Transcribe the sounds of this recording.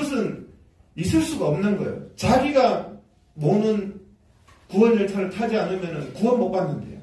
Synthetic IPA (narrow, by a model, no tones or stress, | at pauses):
ʌsʰɯn | isʰɯɭs͈uɡaʌmnɯnɡʌḛjo̰t͡ɕaɡiɡa | monɯn | kuwʌnɯɭt͡ɕʰʌɾtʰad͡ʑianɯmjʌnɯnkuʌnmok̚p͈anːɯndḛjo̰